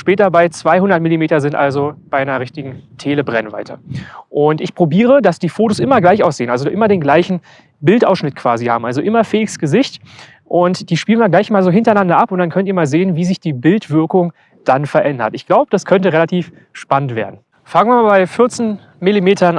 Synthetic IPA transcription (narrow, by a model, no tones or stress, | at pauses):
ʃpɛːtɐbaɪt͡sv̥aɪhʊndɐt̚mɪlimeːtɐzɪntʔa̰lzob̥aɪnɐʁɪçtɪɡŋ̩tʰeːləbʁɛnva̰ɪtʰɐ̰ʔʊntʔɪçpʁ̥obiːʁədasd̥iːfoːtosʔɪmɐɡlaɪçaʊsz̥eːənʔalzoʔɪmɐdeːnɡlaɪçn̩ | bɪltʔa̰ʊsʃnɪtkʰv̥a̰ːzihaːbm̩ʔalzoʔɪmɐfɛːɡəsɡ̥əzɪçt | ʔʊntd̥iːʃpiːlnviɐɡlaɪçmaːlzoːɦɪntɐaɪnandɐʔapʊntd̥ankʰœntiːɐmaːlzeːənviːzɪçd̥iːbɪltv̥ɪɐkʊŋ | d̥anfɛɐʔɛndɐ̰tɪçɡ̥laʊbəd̥askʰœntəʁelatʰiːf | ʃpanəntv̥eːɐdn̩ | faŋənviɐmaːbaɪfɪɐt͡sn | mɪlimeːtʰɐn